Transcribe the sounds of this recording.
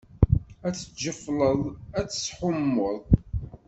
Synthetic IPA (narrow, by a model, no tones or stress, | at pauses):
æt͡sːə̥d͡ʒəflˤəðˤæt͡sːə̥sħʊmːʊðˤ